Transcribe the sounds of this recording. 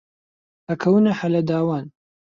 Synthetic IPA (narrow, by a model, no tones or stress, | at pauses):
hɐkʰɐwɨnɐħɐlɐd̪aːwaːn